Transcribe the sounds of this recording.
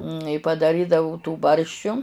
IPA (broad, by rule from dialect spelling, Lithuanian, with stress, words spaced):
ɪ pɐdɐˈrʲiːdɐʋʊ tuː ˈbɐrʲʃʲt͡ʃʲʊ